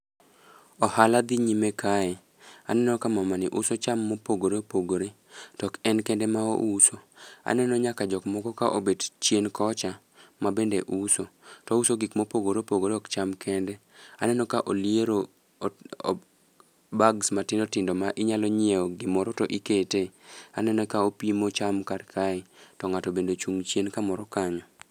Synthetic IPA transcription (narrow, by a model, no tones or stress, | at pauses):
ɔhalad̪iɲimekʰaɛ | a̰nɛnɔkamamanɪʔʊsot͡ʃamːopoɡoɾeopoɡoɾe | tɔkɛnkɛndɛmao̰ʔusoa̰nɛnɔɲakad͡ʒɔkmɔɡɔkaʔobedt͡ʃjenkɔt͡ʃa | mabendeʔusotɔusoɡikmopoɡoɾopoɡodɔkt͡ʃamkʰɛndɛ | anɛnɔkaʔolieɾo̰ | baɡsmatɪndotɪndomaʔɪɲalɔɲieɔɡɪmɔɾɔtɔʔiketea̰nɛnɔkaopimot͡ʃamkarkʰaɪtɔŋatɔbendot͡ʃuŋt͡ʃjenkamɔɾɔkaɲɔ